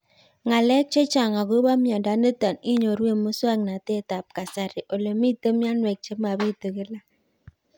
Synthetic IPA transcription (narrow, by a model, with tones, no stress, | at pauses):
ŋa˨le˦t͡ʃe˦t͡ʃa˨ŋa˨ɡo˦ba˦mjɔ˨da˨˦nə˦ta˨ni˦ɲo˨ɾu˦e˦˨mo˦swa˦ŋna˨te˦˨ta˨p̚ka˨sa˨ɾi˨ʔo˨le˨mi˦tə˦mja˦nwe˨k̚t͡ʃe˦ma˨bi˦˨tə˨ɡe˦la˦